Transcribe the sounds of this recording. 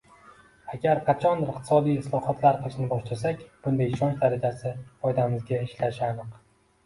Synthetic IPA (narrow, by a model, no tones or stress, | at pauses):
aɡʲaɾqʰɑt͡ʃʰɒnɪɾɪqt̪ɪ̥sɒd̪ijɪslˠɒhɒt̪ʰlaɾqʰɨlˠɪʃnɪbɒʃlasakʲb̥ʊnd̪ajɪʃɒnt͡ʃd̪aɾad͡ʒasɪfɒjd̪amɪzɡʲaɪʃlaʃɪanɨq